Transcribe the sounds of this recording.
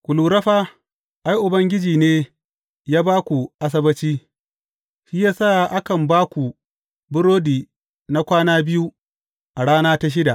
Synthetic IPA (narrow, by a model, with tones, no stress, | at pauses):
kʷʊ˨luː˨ɾɐ˦ɸaː˦ | ʔa˦jʔʊ˨bɐ˦ŋɡʲɪ˦d͡ʒiː˨neː˦ | jaː˦baː˦kʷu˨ʔa˦s̬ɐ˦bɐ˦t͡ʃiː˦ | ʃiː˦jaː˦saː˦˨ʔa˦kɐ˨mbaː˦kʷu˨ | bʊ˦ɽoː˦diː˨ | na˦kʷaː˦naː˦bɪ˦ju˦ | ʔa˨ɽaː˦naː˦ta˦ʃ̬ɪ˦da˨ʔ